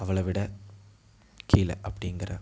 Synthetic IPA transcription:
ɐʋɐɭɐʋɪɽɐ | kʰiːlɐ̰ʔɐpːɐɽɪŋɡɐɾɐ̰

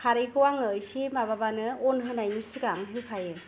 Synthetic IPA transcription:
kʰaɾikɔwaŋɯjsimaβabanɯɔnɦɯnajnisiɡaŋɦɯpʰajɯ

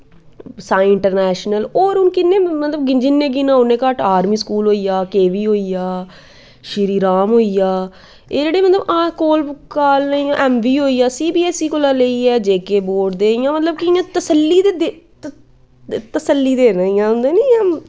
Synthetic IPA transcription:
sãːɪɳʈəɾnɛːʃnəloːɾʊnkɪnːẽːmət̪ləb̚ɡɪnd͡ʒinːẽːɡinãːʊnẽːkəʈʰaːɾmiːskuːlɦoːiːjaːkeːʋiːɦoːiːjaː | ʃɪɾiːɾaːmɦoːiːjaː | eːd͡ʒeːɽeːmət̪ləbãːkoːlkaːlnaiːãːʔɛːmʋiːɦoːiːaːsiːbiːɛːsiːkolãːleiːɛːd͡ʒeːkeːboːʈd̪eːɪjãːmət̪ləb̚kɪɪãːt̪əsəlːiːd̪eːd̪e | t̪əsəlːiːd̪eːnaːĩjãːʊnd̪eːniːãː

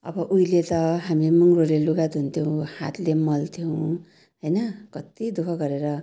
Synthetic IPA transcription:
ʌ̰bʌʔujlet̪ʌɦamiemuŋɡroleluɡat̪ɦunt̪ʰjow̃hat̪ʰlemʌlt̪ʰjow̃ | ɦʌjnʌkʌt̪id̪ukʰʌɡʌɾeɾʌ

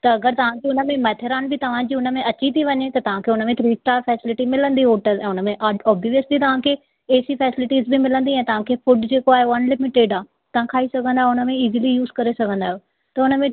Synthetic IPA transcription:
t̪ɐɐɡəɾt̪ɐʋ̤ãd͡ʑiʊnəmẽmɐt̪ʰeɾaːnbɪt̪ɐʋ̤ãd͡ʑiːʊnəmẽʔɐt͡ɕit̪ʰiʋɐɲet̪ɐt̪ɐʋ̤ãkʰeːʊnəmẽt̪ʰɾiːsʈaːɾfɛːsɪlɪʈimɪlə̃nd̪ioːʈəɾɛ̃ːʊnəmẽʔaɔːbiʋəst̪it̪ɐʋ̤ãkʰeː | eːsifɛːsɪlɪʈiːzbɪmɪlə̃nd̪iɛ̃ːt̪ɐʋ̤ãkʰeːfʊɖd͡ʑeːkoaːɦeɐnlɪmɪʈeːɖaː | t̪ɐʋ̤ãkʰaːisɐɡʱə̃nd̪aːɦeʊnə̆mẽiːzilijuːzkɐɾesɐɡʱə̃nd̪aːjo | t̪ɐʊnəmẽ

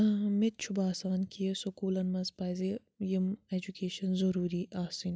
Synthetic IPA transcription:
mit̪̚t͡ʃʰubaːsaːnkʰiesokuːlɐnmɐzpaːjze | jimed͡ʒukeːʃɐnzɐɾuːɾiːʔaːsin

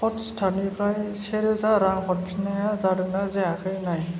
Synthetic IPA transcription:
pɔtstʰanipʰɾajseɾezaɾaŋxʰɔt̚pʰinajazaɾɯnazɛakʰɯjnaj

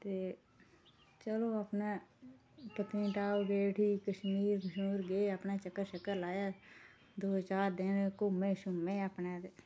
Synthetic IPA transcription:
t̪eː | t͡ʃəloːəpnaː | pət̪ĩːʈaːoːbeːʈʰiːkəʃmiːɾməʃuːɾɡeːəpnaːt͡ʃəkːəɾʃəkːəɾlaːjaː | d̪oːɦəzaːɾd̪ɪnkʊmːẽːʃʊmːẽːəpneːd̪

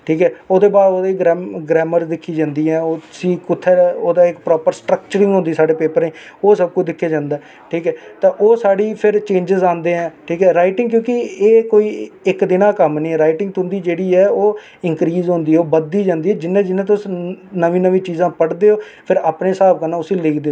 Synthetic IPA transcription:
ʈʰiːkɛːoːd̪eːbaːɾoːd̪eːɡɾɛːɡɾɛːməɾd̪ɪkʰːiːd͡ʒãːnd̪iːɛːoːʊsiːkʊt̪ʰːɛːoːd̪aːɪkpɾɔːpəɾsʈɾək̚t͡ʃəɾɪ̃ŋɡɦʊ̃nd̪iːsaːɖeːpeːpəɾẽː | oːsəb̚kʊt͡ʃʰd̪ɪkʰːeːd͡ʒãːnd̪aː | ʈʰiːkɛːt̪ãːʔoːsaːɽiːpʰɪɾt͡ʃẽːɲd͡ʒɪzãːnd̪eːɦɛ̃ːʈʰiːkɛːɾaːɪʈɪ̃ŋɡkjõːkɪeːkoːiːɪkd̪ɪnãːkəmniːɛːɾaːɪʈɪ̃ŋɡt̪ʊnd̪iːd͡ʒeːɽiːɛːoː | ɪŋkɾiːzɦʊ̃ːnd̪iːɛːoːbəd̪ːiːd͡ʒãːnd̪iːɛːd͡ʒɪnːẽːd͡ʒɪnːẽːt̪ːʊsnəʋĩːnəʋĩːt͡ʃiːzãːpəɽd̪eːoː | pʰɪɾaːpneːsaːb̚kənːaːʊsĩːlɪːkd̪eː

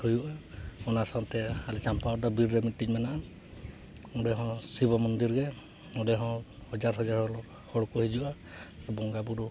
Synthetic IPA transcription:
hujuʔaɔnasat̪ɛalit͡ʃampaɔd̪ɔbiɾːɛmiʈːid͡ʒmɛnaʔa | ɔdɛɦɔ̃sibɔmɔnd̪iɾɡɛ | ɔdɛɦɔ̃hɔd͡ʒaɾɦɔd͡ʒaɾhɔɾɔ | hɔɽkɔhid͡ʒuʔa | aɾubɔŋɡabuɾu

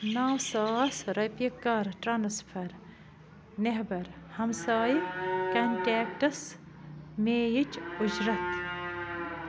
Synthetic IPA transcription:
naːwsaːsɾɐjpikːaɾʈɾansfʰɐɾ | neɦbɐɾ | hɐmsaːjikɐnʈeːkʈɐs | meːjit͡ʃʊd͡ʒɾɐt̪

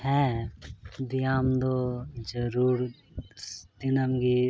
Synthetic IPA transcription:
hɛː | d̪ɪjaːmd̪od͡ʒəɾuːɾ | d̪ɪnəmɡi

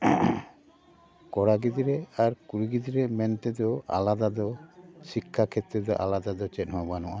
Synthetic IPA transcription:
kɔɽaɡid̪iɾɛaɾkuɾiɡid̪iɾɛmɛnt̪ɛd̪ɔa̰lad̪ad̪ɔsikʰːakʰɛt̪ːɾɛd̪ɔʔa̰lad̪ad̪ɔt͡ʃɛtˀɦɔjbanɔʔa

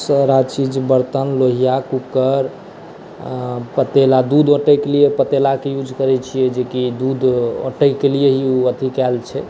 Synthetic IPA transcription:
səɾat͡ʃid͡ʒbəɾt̪ənloɦijakukəɾ | pət̪elad̪ud̪oʈɛjkelijepət̪elakejud͡ʒʱkəɾɛt͡ʃʰijɛd͡ʒekid̪ud̪o̰ʈəɪkelijeɦiuət̪ʰikɛlt͡ʃʰɛ

